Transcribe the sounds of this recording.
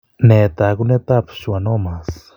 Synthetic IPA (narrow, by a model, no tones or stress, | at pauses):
net̪akunet̪apʰsuanomas